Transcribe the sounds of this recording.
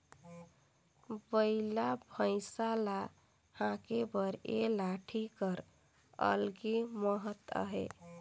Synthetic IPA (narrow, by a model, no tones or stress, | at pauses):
bəɪlabʱə̃ɪsala | hãkebəɾelaʈʰikəɾ | ə̰lɡiməɦət̪ə̰ɦḛ